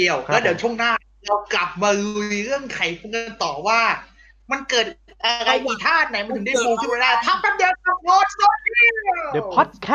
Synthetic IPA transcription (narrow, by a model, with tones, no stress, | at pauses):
i˧əwlɛː˦˥˩di˨˩˦wt͡ɕʰu˥˩ŋnaː˥˩ | ɾa˧wkla˨˩p̚maː˧lu˧jɾɯ˥˩əŋkʰa˨˩jpʰo˧nknt̪ɔː˨˩waː˥˩ | ma˧nkɤː˨˩t̪̚ | ʔa˧ɾa˧jt̪iː˨˩t̪ʰaː˥˩t̪̚na˧˩jm˧nʰɯ˨˦da˥˩pʰuː˧kʰɯ˥˩nwaː˧laː˥˩p̪ʰa˦˥t̪ʰa˧˥p̚ja˧˩wɔː˧˥sɔ˧˥i˧˥dʰɔ˨˦˥t̪̚kʰː